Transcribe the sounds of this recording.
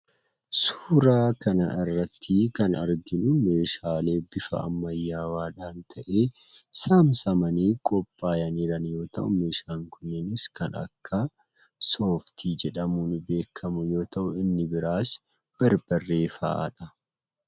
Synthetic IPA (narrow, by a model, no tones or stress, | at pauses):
su̥ːɾaːkʰɐnɐ̰ʔɪrːɐt̪ʰːɪkɐnɐɾɡɪnʊme̞ːʃaːle̞ːb̥ɪfɐ̰ɐ̰mːɐjːaːwaːᶑaːnt̪ʰɐʔe̞ː | samsɐmɐniːkʼɔpʼːaːjɐniːɾɐnjo̞ːt̪ɐ̰ʔʊme̞ːʃaːŋkʊnːɪnɪskɐnɐ̰kːɐ | so̞ːft̪ʰiːd͡ʒɛᶑɐmuːnbe̞ːkʰːɐmʊjo̞ːt̪ʰɐʔʊɪnːɪbɪɾaːs | b̥ɐɾb̥ɐrːe̞ːfɐ̰ɐ̰ᶑɐ